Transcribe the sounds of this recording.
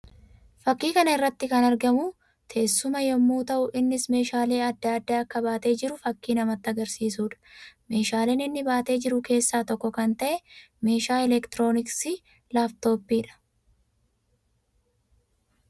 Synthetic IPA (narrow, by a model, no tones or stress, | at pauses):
fɐkːiːkɐnɐɪrːɐt̪ːɪkɐnɐɾɡɐmu | t̪ʰe̞ːsːʊmɐjɔmːuːt̪ɐʔʊʔɪnːɪsme̞ːʃaːle̞ːɐd̪ːaːd̪ːaːɐkːɐbaːt̪e̞ːd͡ʒɪɾʊfɐkːiːnɐmɐt̪ːɐɡɐɾsiːsuːᶑɐ̥me̞ːʃaːleːnɪnːɪbaːt̪e̞ːd͡ʒɪɾʊke̞ːsːaːt̪ɔkːɔkɐnt̪ɐʔɛ | me̞ːʃaːɛlɛkt̪ɪɾo̞ːnɪksi | laːft̪o̞ːpːiːᶑɐ̥